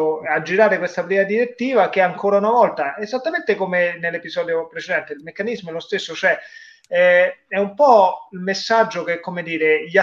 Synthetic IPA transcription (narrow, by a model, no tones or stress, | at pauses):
ad͡ʒːiɾaːɾekwest̪apɾiːad̪iɾet̪ːiːvak̟eaŋkoːɾaunavɔlt̪aezat̪ːament̪ekomenelːepizɔːd̪jopɾet͡ʃed̪ɛnt̪eilmekːanizmolost̪esːot͡ʃɛ | ɛɛumpɔilmesːad͡ʒːokekːomed̪iːɾeʎa